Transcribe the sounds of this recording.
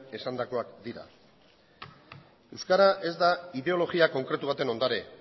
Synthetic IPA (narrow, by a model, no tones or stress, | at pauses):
e̞sand̪ako̞akd̪iɾa̰ | e̞wskaɾaʔe̞zd̪aiðe̞o̞lo̞ɣiako̞ŋkɾe̞t̪uβ̞at̪e̞no̞nd̪aɾe